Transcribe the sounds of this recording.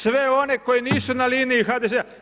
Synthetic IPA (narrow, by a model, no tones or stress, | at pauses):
sʋe̞o̞ne̞kojiniːsunaliːniixad̪ezea